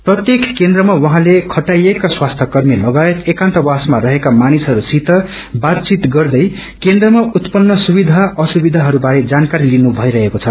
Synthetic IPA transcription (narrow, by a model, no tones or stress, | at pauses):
prʌt̪jekkend̪rʌmawʌɦãlekʰʌʈajekaswast̪ʰʌkʌrmilʌɡaet̪ekãnt̪ʌwasmarʌɦekamanisɦʌɾusit̪ʌ | bat̪̚t͡sit̪ɡʌrd̪ʌj | kend̪rʌmaut̪pʌnːʌsubid̪ʱaʔʌsubid̪ʱaɦʌɾubaɾed͡zankaɾilinubʱʌiɾʌɦekot͡sʰʌ